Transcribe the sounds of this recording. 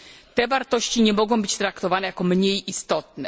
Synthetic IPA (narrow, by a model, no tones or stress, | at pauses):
t̪ɛvaɾt̪ɔɕt͡ɕiɲɛmɔɡɔ̃w̃bɘ̥t͡ɕt̪ɾakt̪ɔvanɛjakɔmɲejist̪ɔt̪nɛ